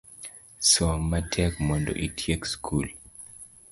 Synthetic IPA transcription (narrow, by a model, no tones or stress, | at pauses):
sɔmatʰɛkmɔndɔ̰ʔitʰjekskʰul